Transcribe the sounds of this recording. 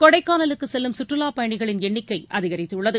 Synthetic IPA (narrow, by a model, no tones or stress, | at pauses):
kɔɽɐɪkːaːnɐlɯkːɯsɛlːɯmsʊʈrɯlaːpɐjɐɳɪɣɐɭɪnɛɳːɪkːɐɪʔɐðɪɣɐɾɪt̪ːɯʊɭːɐðɯ